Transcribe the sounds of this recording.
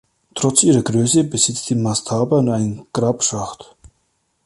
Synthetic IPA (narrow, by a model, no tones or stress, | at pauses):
tʁ̥ɔt͡sʔiːʁɐɡʁøːsəbəzɪt͡stiːnmastʰaːbɐʊntaɪnɡ̥ʁaːpʃaχt